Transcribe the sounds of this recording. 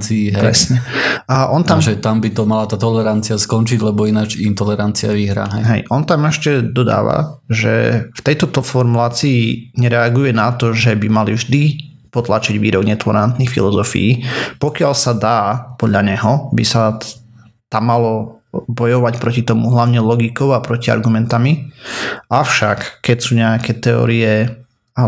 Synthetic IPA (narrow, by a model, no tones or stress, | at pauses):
iɦɛpɾɛ̰sɲɛaʔɔnt̪aʒɛt̪ambit̪ɔmalat̪aːt̪ɔlɛɾant͡siaskɔnt͡ʃiɟlɛbɔinad͡ʒint̪ɔlɛɾant͡siaʋiɦɾa̰ɦɛjɦɛjʔɔnt̪amɛʃcɛd̪ɔd̪a̰ːʋa̰ʒɛ̰ft̪ɛjt̪ɔt̪ɔfɔɾmulaːt͡siːɲɛɾɛaɡujɛnat̪ɔʒɛbimalivʒd̪i | pɔt̪lat͡ʃiɟʋiːɾɔɡɲɛt̪ɔlɛɾant̪nixfḭlɔzɔfḭjipɔkɪalsad̪aːpɔd̪ʎaɲɛɦɔbisa | t̪amːalɔbɔjɔʋacpɾɔcit̪ɔmuɦlaʊɲɛlɔɡikɔʊapɾɔcia̰ɾɡumɛnt̪ami | ʔaʊʃakkːɛcsuːɲɛakɛt̪ɛɔ̰ɾiɛ | a